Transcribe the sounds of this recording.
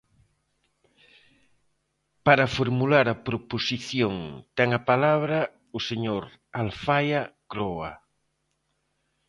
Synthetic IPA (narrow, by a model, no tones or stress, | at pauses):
paɾafoɾmulaɾapɾoposiθjoŋt̪ɛŋapalaβɾa | ʊseɲoɾ | alfajakɾoa̰